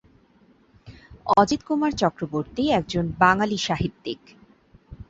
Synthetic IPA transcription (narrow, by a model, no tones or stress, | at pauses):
ɔd͡ʑit̪kumaɾt͡ɕɔkɾoboɾt̪iɛk̚d͡ʑonbaŋaliʃaɦit̪ːik